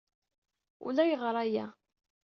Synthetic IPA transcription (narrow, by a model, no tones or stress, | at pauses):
ṵlæjəʁɾˤæjæ